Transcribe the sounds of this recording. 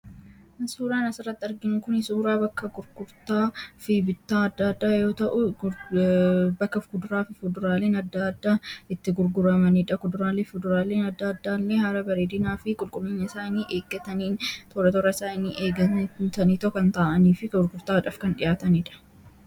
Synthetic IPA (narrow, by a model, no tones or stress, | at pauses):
suːɾaːnɐsɪrːɐt̪ːɪɐɾɡɪnʊkʊnɪsuːɾaːbɐkːɐɡʊɾɡʊɾt̪aːfibɪt̪ːaːɐd̪ːaːd̪ːaːjo̞ːt̪ɐʔʊ | bɐkːɐfkʊd̪ʊɾaːfɪfʊd̪ʊɾaːleːnɐd̪ːaːd̪ːaːɪt̪ːɪɡʊɾɡʊɾɐmɐniᶑɐkʊd̪ʊɾaːleːfʊd̪ʊɾaːleːnɐd̪ːaːd̪ːaːlːehɐɾɐbɐɾeːd̪ɪnaːfɪkʼʊlkʼʊlːiːɲːɐɪsaːniːʔeːɡːɐt̪ɐniːnt̪ɔɾɐt̪ɔɾɐɪsaːɪniʔeːɡɐt̪ɐniːt̪ɔkːɐnt̪aːʔɐniːfɪkʊɾɡʊɾt̪aːᶑɐfkɐnᶑɪjaːt̪ɐniːᶑɐ̥